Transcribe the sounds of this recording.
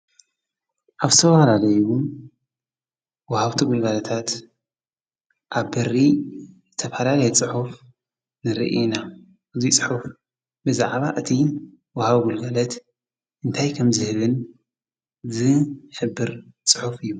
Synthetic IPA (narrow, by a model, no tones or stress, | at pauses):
ʔaβzɨt̪ʰɐfalalɐjuu | wɐhaβt̪ʰuɡulɡalɐt̪ʰat̪ | ʔaβbɨrːizɨt̪ʰɐfalalɐjɛt͡sʼɨħuf | nɨɾḭʔna | ʔɨzit͡sʼɨħuf | bɨza̰ʕβaʔɨt̪ʰi | wɐhaβɡulɡalɐt̪ | ʔɨnt̪ʰajkʰɐmzɨhɨβɨn | zɨħɨbːɨɾt͡sʼɨħufɨjːu